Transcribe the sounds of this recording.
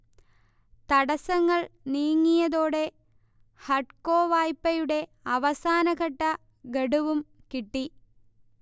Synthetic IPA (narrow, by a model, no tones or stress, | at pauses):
t̪ɐɽɐsɐŋːɐɭniːŋːijɐðo̞ːɽe̞ | hɐʈko̞ːʋaːjpːɐjuɽe̞ | ɐʋɐsaːnɐɣɐʈːɐ | ɡeɽuʋum | kiʈːi